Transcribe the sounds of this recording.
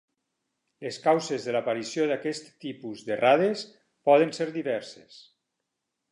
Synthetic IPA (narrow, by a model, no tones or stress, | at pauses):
leskawzezðəlapaɾisjoðakɛst̪ːipuzðeraðes | pɔðənseɾðiβɛɾse̥s